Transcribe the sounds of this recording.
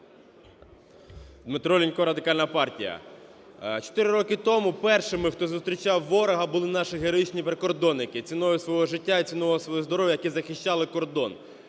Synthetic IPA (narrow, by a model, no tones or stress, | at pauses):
d̪mɪt̪ɾɔlʲinʲkɔɾɐd̪ɪkɑlʲnɐpɑrtʲijɐ̰ | t͡ʃɔ̥t̪ɪɾɪɾɔkɪt̪ɔmʊpɛrʃɪmɪxt̪ɔzʊst̪ɾʲit͡ʃɑwːɔɾɐɦɐbʊlˠɪnɑʃɪɦeɾɔit͡ʃnʲipɾekɔrd̪ɔnːɪkɪt͡sʲinɔjʊsʋɔɦɔʒɪtʲːait͡sʲinɔɔɔsʋɔjɔzd̪ɔɾɔʋʲjɐjɐkizɐxɪʃʲt͡ʃɑlˠɪkɔrd̪ɔn